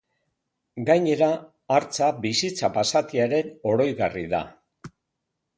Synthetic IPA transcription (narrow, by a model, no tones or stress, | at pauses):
ɡajɲe̞ɾaː | ɾt͡sabisit͡sapasat̪iaɾe̞no̞ɾo̞jɣariða̰